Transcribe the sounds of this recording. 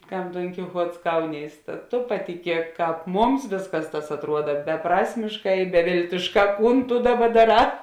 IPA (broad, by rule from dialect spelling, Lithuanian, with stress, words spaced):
ˈkɐm ˈdoːŋʲkʲɪˌxuɔts ˈkɐʊnʲiːs tɐ toː pɐtʲɪˈkʲiɛk ˈkɑːp ˈmʊms ˈʋʲeːsˌkɐs tɐs ɐtˈruɔdɐ bʲɛˈprɑːsʲmʲɪʃˌkɑː ɪ bʲɛˈʋʲeːlʲtʲɪʃˌkɑː ˈkuːn tʊ ˈdɑːˌbɐ dɐˈrɑː